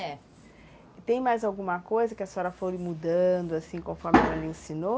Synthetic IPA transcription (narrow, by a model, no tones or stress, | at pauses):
ɛ | t̪ẽj̃majzawɡũmɐkojzɐkɪɐsɔɾɐfoɾmud̪ɐ̃d̪ʊasĩkõfɔɾmɪɛlɛlɐẽsĩno